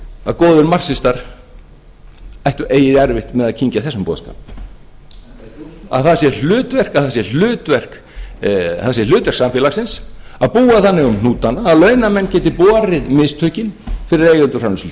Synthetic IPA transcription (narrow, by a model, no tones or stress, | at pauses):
aðkɔːðʏnmar̥sɪst̪aɾ̥ | ajht̪ʏʔeːjɪɾɛɾvɪht̪mɛðaðcʰiɲcaθɛsʏmpɔ̰ːðska̰ːp̚ | a̰ðθasjɛl̥ʏːt̪vɛr̥kaðθasjɛl̥ʏːt̪vɛr̥k | θasjɛl̥ʏːt̪vɛɾ̥ksamfɪlasɪnsaðpuːaθanːɪɣʏmn̥uːt̪anaːlœːɥnamɛnːcɛːt̪ɪpɔːɾɪðmɪst̪ʰœɥcɪnfɪɾɪɾejɣʏnt̪ʏ̥ranʏsli